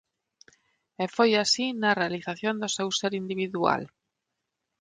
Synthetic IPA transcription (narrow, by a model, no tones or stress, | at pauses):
efojasinɐrealiθaθjõnd̪ʊsewseɾind̪iβiðua̰l